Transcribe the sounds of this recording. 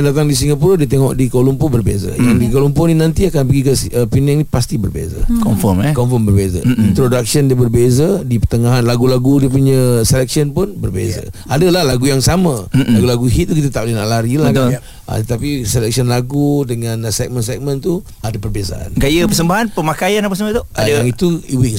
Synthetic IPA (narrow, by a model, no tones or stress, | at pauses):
ndat̪̬aŋdis̬iŋɡapuɾədiət̪̬eŋɔʔdikolumpubərbḛzə̰jaŋdikolumpʊninant̪iakanpəɡikəsəpinaŋnipast̪ibərbḛzə̰kɔmfɔmkɔmfɔmbərbezə̰t̪ɾodak̚səndəbərbezədipət̪əŋaɦanlaɡulaɡudiəp̬uɲəselɛk̚siənpʊnbərbḛza̰ | adəlahlaɡujaŋsamalaɡulaɡuɦit̪̚ːukit̪̬at̪aʔlinaʔlaɾilahɡl | ʔa̰t̪ət̪apiselɛk̚siənlaɡudəŋãnsɛk̚mənsɛk̚mə̃nt̪u | adəpərbeza̰ʔa̰nɡajəpəs̬əmbaɦanpəmakajanapasəmət̪oadaaŋit̪uiwiŋ